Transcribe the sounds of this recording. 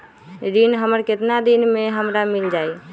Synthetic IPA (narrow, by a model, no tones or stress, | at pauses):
ɾinɦəməɾket̪nad̪inmeɦəmɾamild͡ʒaj